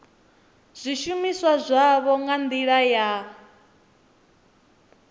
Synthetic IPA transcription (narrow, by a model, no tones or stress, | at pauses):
z̥ʷiʃumiswazʷaβɔŋɡand̪iɺaja